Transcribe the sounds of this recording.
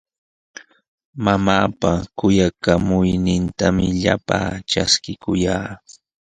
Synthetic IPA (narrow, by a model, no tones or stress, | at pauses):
mamaːpakʊjakamʊjnɪnt̪amɪʎa̰pa̰ːʈ͡ʂaskɪkʊjaː